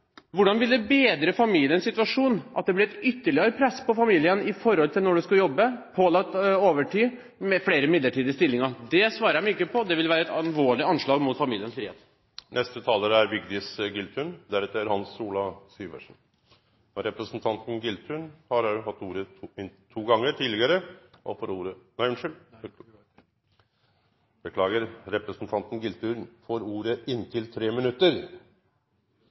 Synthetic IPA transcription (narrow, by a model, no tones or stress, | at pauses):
ʋʊɖɑnʋɪld̪ɛbeːd̪ɾəfɑmiːlɪənsɪt̪ʋɑʂuːnʔɑt̪̚d̪ɛblɛɛt̪ʏt̪ːəɭɪəɾəpʰɾɛsːpɔfɑmiːlɪənɪfɔɾhɔlt̪ʰɪlnɔɖɛskʉljɔbːəpʰoːlɑt̪ːoːʋəʈʰyː | mɛfleːɾəmɪd̪ləʈiːd̪əst̪ɪlːɪŋɑɾd̪ɛsʋɑːɾəɾjæmʏkːəpʰɔd̪ɛʋɪlʋæːɾəɛt̪ɑlʋoːɭɪɑnʂɭɑːɡmʊːt̪fɑmiːlɪənsfɾiːhḛːt̪ | nʔɛst̪ət̪ʰɑːləɾəæɾʋɪɡd̪ɪsɡɪlt̪ʰʉɳd̪æɾɛt̪ːəæɾhɑnsuːlɑsyːʋə̰ʂn̩ | ɔɾɛpɾəsnt̪ʰɑnt̪n̩ɡɪlt̪ʰʉnhɑɾɑʉɦɑt̪ːuːɾəɪnt̪ʰuːɡɑŋːəʈʰiːd̪lɪɡəɾəʔɔ̰fɔɾuːɾənæɪʉnʂʏl | b̥əkʰlɑːɡəɾɾɛpɾəsnt̪ʰɑnt̪n̩ɡɪlt̪ʉnfɔɾuːɾəɪnːt̪ʰɪlt̪ʰɾeːmɪnʉt̪ːəɾ